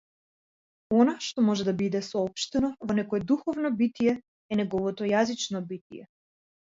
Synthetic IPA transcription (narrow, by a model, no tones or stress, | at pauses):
ɔnaʃt̪ɔmɔʒɛd̪abid̪ɛsɔɔpʃt̪ɛnɔvɔnɛkɔɛd̪uxɔvnɔbit̪ijɛ | ɛnɛɡɔvɔt̪ɔjazit͡ʃnɔbit̪ijɛ̰